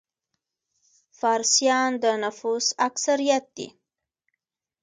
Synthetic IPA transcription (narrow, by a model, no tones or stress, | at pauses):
faɾsijɑnd̪ənʊfusaksaɾijat̪̚d̪ḭ